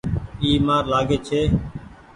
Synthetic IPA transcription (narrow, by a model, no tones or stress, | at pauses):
iːmaːɾlaːɡeːt͡ʃʰeː